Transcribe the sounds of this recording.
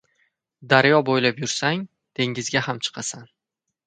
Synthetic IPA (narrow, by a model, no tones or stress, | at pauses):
d̪aɾjɒbojlapjʊɾsaŋ | d̪̥e̞ŋɪzɡʲahamt͡ʃʰɨ̥qʰɑsan